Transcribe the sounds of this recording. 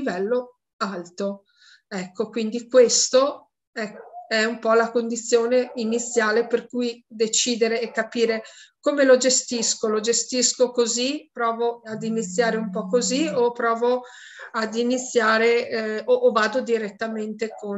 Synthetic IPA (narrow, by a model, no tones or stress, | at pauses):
vɛlːo | alt̪o | ɛkʰːokwind̪ikwest̪o | ɛɛumpɔlakond̪it̪sːjoːneinit̪sːjaːleperkujd̪et͡ʃiːd̪eɾeːkːapiːɾekoːmelod͡ʒest̪iskolod͡ʒest̪iskokozipɾɔːvoad̪init̪sːjaːɾeumpɔkːoziopɾɔːvo | ad̪init̪sːjaːɾeoʔːvaːd̪od̪iɾet̪ːament̪eko